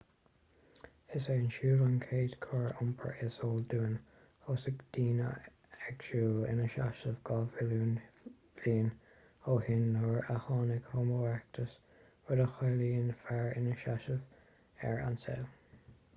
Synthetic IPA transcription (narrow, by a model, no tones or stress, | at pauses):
ɪseːənʃuːlənkʰeːdkʰɔɹʊmpʰə̰ɹɪsoːlduːn | oːsəɡd̪̥iːnə̰ | ɛɡʃuːlɪ̰nəʃaʃəvɡɑvɪlun | liːn | oːhɪnːɔɹaxɑːnɪɡhɔmoɛk̚tʰəs | wədəxɑːliːənfaɹɪ̰nəʃaʃəv | ɛ̰ɹa̰nsɛ̰l